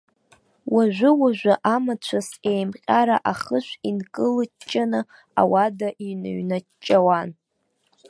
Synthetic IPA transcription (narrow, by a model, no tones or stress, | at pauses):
waʒʷʊwaʒʷaʔamat͡ɕʷʰasejmqʲʼaɾaʔaχəʃʷinkʼɨlɨt͡ʃʼːanɨ | a̰wadaʔinɨ̰ɥna | t͡ʃʼːawan